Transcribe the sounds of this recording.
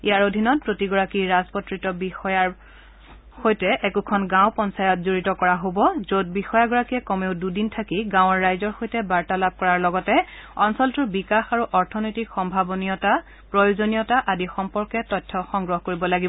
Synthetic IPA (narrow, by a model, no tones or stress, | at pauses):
ijaɹodʱinɔt̚pɹotiɡɔɹakiɹazpɔtɹitɔbixɔjaɹ | xojtɛʔɛkukʰɔnɡãw̃pɔnsajɔtzoɹitɔkɔɹaɦobɔzot̚bixɔjaɡɔɹakiɛkɔmeʊdudintʰakiɡãw̃ɔɹːajzɔɹxojtɛbaɹtalab̚ʱkɔɹaɹlɔɡɔtɛɔnsɔltubikaxaɹuʔɔɹtʰɔnojtikxɔmbʱabɔnijɔta | pɹojozonijɔtaʔadixɔmpɔɹkɛtɔjtʰːɔxɔŋɡɹɔɦkoɹibɔlaɡibɔ